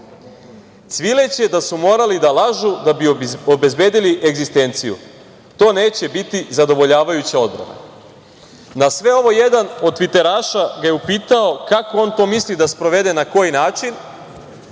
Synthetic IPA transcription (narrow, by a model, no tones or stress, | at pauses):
t̪sʋile̞t͡ɕe̞d̪asumo̞ːɾalid̪alaʒud̪abiobe̞zbe̞ːd̪iliʔe̞ɡzist̪e̞nt̪sijṵ | t̪o̞ːne̞ːt͡ɕe̞bit̪izad̪o̞ʋo̞ʎaːʋajut͡ɕao̞d̪bɾa̰na̰ | nasʋe̞o̞ʋo̞je̞d̪ano̞d̪̚t̪ʋit̪e̞ɾaːʃaɡaje̞upiːt̪ao̞kako̞o̞ːnt̪o̞ːmislid̪aspɾo̞ʋe̞d̪e̞nako̞jinaːt͡ʃin